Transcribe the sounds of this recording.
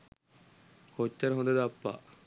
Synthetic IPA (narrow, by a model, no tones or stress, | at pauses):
kot͡ʃːɐɾɐɦod̪ɐd̪ɐpːa̰ː